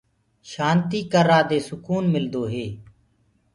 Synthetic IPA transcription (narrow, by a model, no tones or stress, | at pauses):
ʃaːnt̪iːkəɾaːd̪eːsʊkuːnmɪld̪oːɦeː